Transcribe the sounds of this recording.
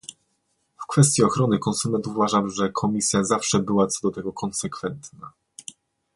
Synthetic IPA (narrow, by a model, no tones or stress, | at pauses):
fkfɛst̪ʲjiɔxɾɔnɘkɔnsumɛnt̪uuvaʐamʐɛkʰɔmʲisʲjazafʂɛbɘwat̪sɔd̪ɔt̪ɛɡɔkʰɔnsɛkfɛnt̪na